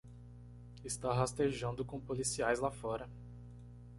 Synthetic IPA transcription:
ɪst̪aɦast̪eʒɐ̃nd̪ʊkõpolisiajzlafɔɾɐ

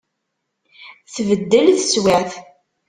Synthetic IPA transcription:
θvəd̪ːəlθəswæθ

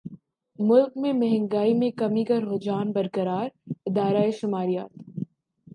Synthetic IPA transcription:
mʊlkmẽmɛɦɛ̃ŋɡaːimẽkɐmikɐɾɦoːd͡ʒaːnbɐɾkəɾaːɾɪd̪aːɾaeʃʊmaːɾijaːt̪

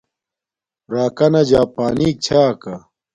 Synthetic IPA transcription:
ɾaːkɐnɐd͡ʑaːpaːniːk̚t͡ɕʰaːkɐ

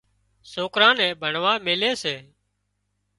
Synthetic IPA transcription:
soːkɾãːnɛ̃ːbʱəɳʋaːmeːleːseː

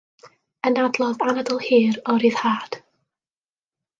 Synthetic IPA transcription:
ənadlˠɔðanadəlˠhiːɾɔɾiːð̥haːd̥

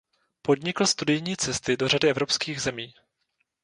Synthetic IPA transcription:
po̞dɲɪkl̩st̪udɪjɲiːt͡sɛst̪ɪdo̞r̝adɪʔɛvɾo̞pskiːɣzɛmiː

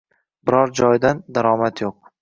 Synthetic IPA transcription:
bɪɾɒɾd͡ʒɒjd̪and̪aɾɒmat̪joq̚

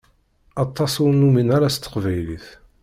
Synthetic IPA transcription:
ɑt̪ˤːɑsʊɾnuminaɾast̪ːə̥qvæjliθ

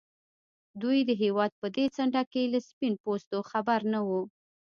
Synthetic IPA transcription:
d̪ujd̪əɦewɑd̪̚pəd̪et͡saɳɖakelaspinpost̪oxabaɾnawu

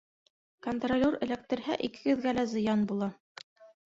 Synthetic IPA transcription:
kont̪rolʲorɘ̆læk̚t̪ɘ̆ɾɦæʔikɘ̥ɡɘ̆ðɡælæzɤ̆jɑnbulˠɑ

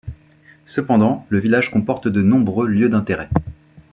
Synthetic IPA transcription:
səpɑ̃d̪ɑ̃ləvilaʒkɔ̃pɔʁt̪d̪ənɔ̃bʁøljød̪ɛ̃t̪eʁɛ

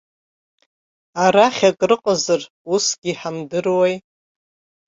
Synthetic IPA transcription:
aɾaχʲakʼrɨqʼəzɨr | usɡʲiħamdɨrwej

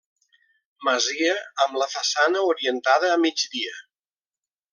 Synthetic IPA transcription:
məziəəmləfəsanəuɾiənt̪að̞əːmid͡ʒd̪iə

